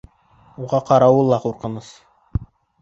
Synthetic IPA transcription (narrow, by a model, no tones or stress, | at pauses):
uʁɑqɑɾɑwɤlˠːɑquɾqɤ̆nɤs